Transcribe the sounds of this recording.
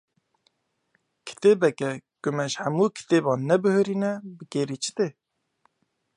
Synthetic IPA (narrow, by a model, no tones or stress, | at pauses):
kʰɨ̥t̪eːbɛkɛkʊmɛʒhæmuːkʰi̥t̪eːbɑːnːɛbɨhɨɾiːnɛbɨkeːɾiːt͡ʃʰɪ̥t̪e